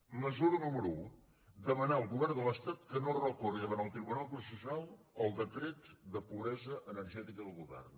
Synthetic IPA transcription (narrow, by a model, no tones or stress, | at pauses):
məzuɾnuməɾuu | d̪əmənaəlˠɣuβɛrnd̪ələst̪at̪kənorəkuriðəβanəlˠt̪ɾiβunalˠpɾusəsualˠəlˠd̪əkɾet̪d̪əpuβɾɛzəʔənəɾʒɛt̪ikəðəlˠɣuβɛ̰rn